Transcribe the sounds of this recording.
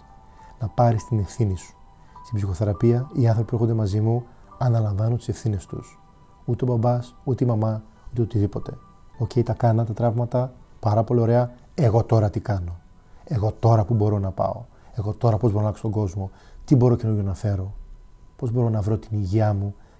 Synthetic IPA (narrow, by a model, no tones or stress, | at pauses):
nɐpɐɾist̪ine̞fθinisu̥ | st̪ibsixo̞θe̞ɾɐpiɐiɐnθo̞pipue̞xond̪e̞mɐzimu | ɐnɐlɐ̃ɱvɐnunt̪isefθine̞st̪ṵs | ut̪e̞obɐbɐsut̪eimɐmɐ | ut̪e̞ot̪iðipo̞t̪e̞ | o̞ce̞jt̪ɐkɐnɐt̪ɐt̪ɾɐvmɐt̪ɐpɐɾɐpo̞lio̞ɾe̞ɐ | e̞ɣo̞t̪o̞ɾɐt̪ikɐno̞ | e̞ɣo̞t̪o̞ɾɐpubo̞ɾo̞nɐpɐ̰o̞ | e̞ɣo̞t̪o̞ɾɐpozbo̞ɾonlɐksot̪oŋɡo̞zmo̞t̪ibo̞ɾo̞cenujonɐfe̞ɾo̞po̞zbo̞ɾo̞nɐvɾo̞t̪iniʝiɐmu